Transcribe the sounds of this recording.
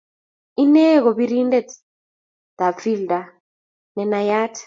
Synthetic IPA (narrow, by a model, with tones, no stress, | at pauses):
i˦nɛ˦k̬ɔ˨ɓiɾi˦ndɛ˨ | d̪̥a˨pfi˦lda˨ | nɛ˨na˨jaː˦tʰḁ